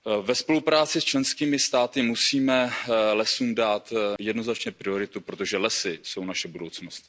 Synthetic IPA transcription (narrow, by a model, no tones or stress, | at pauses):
vɛspo̞lupɾaːt͡sɪst͡ʃlɛnskiːmɪst̪aːt̪ɪmusiːmɛlɛsuːmdaːt̪jɛdno̞znat͡ʃɲɛpɾɪo̞ɾɪt̪upɾo̞t̪o̞ʒɛlɛsɪso̞wnaʃɛbudowt͡snost̪